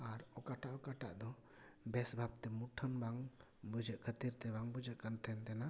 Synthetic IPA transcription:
aɾɔkaʈaʔɔkaʈa̰ʔd̪ɔ | bɛsbʱab̚t̪ɛmuʈʰənbaŋ | bud͡ʒəʔkʰət̪iɾt̪ɛβaŋbud͡ʒəʔkənt̪ʰɛnt̪ɛna

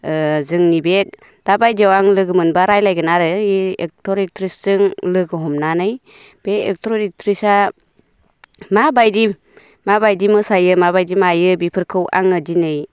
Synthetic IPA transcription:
zɯŋnibek̚ | d̥abajdiawaŋlɯɡɯmɯnbaɾajlajɡɯnaɾɯiek̚tʰɔɾik̚tʰɾisz̥ɯŋlɯɡɯɦɔmnanɯj | b̥eek̚tʰɾɔdik̚tʰɾisa | mabajdi | mabajdimɯsajɯmabajdimajɯbipʰɯɾkʰɯwʔa̰ŋɯdinɯj

